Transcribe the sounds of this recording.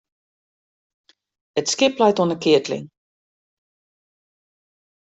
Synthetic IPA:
ətskɪplɛjtuənəkɪətlɪ̰ŋ

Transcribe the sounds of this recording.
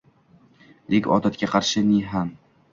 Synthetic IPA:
d̪ekʲɒ̰ːd̪at̪̚kʲaqʰɑɾʃɪnɪɦam

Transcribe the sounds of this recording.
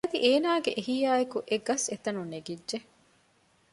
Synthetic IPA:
ɐd̪iʔeːnaːɡeʔeɦijaːekuʔeɡɐset̪ɐnuneɡidːʒe

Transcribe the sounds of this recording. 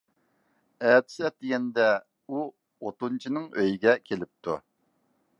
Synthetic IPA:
ɛːt̪ʰɪ̥sɛt̪̚d̪ɪɡʲɛnd̪ɛ | u | ot̪unt͡ʃʰinɨŋøjiɡʲɛkʲʰelɪp̚t̪ʰu

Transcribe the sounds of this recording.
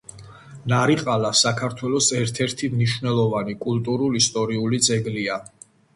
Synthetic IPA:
naɾiqʼalasakʰaɾt̪ʰwɛlˠɔsɛɾt̪ʰɛɾt̪ʰimniʃvnɛlˠɔvanikʼult̪ʼuɾulist̪ʼɔɾiulid̪zɛɡlia

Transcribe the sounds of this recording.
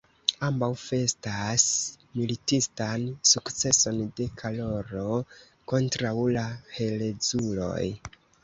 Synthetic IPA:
ambawfe̞stas | militistansukt͡se̞so̞nde̞kʰalo̞ɾo̞ | ko̞ntɾawlahe̞led͡zulo̞̰j

